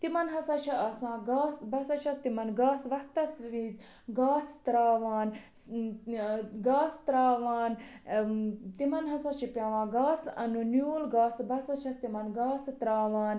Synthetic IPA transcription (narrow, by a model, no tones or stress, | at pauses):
t̪imɐnɦɐsaːt͡ʃʰiɐsãːɡaːsbɐsɐt͡ʃʰɐst̪imɐnɡaːsʋɐkt̪ɐsʋiːz | ɡaːst̪ɾaːʋaːn | ɡaːst̪ɾaːʋaːn | t̪imɐnɦɐsãt͡ʃʰipʲjaːʋãːɡaːsɐ̰nunjuːlɡaːsbɐsɐt͡ʃʰɐst̪imɐnɡaːst̪ɾaːʋaːn